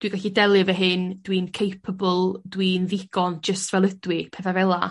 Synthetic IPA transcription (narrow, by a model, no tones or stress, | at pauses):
d̥wiɡaɬidɛlˠɨvɛɦɨnd̥wiːnkʰejpʰəbəlˠdwiːnðɪɡ̥ɔnd͡ʒəstvɛlˠədwɪpʰɛθavɛlˠa̰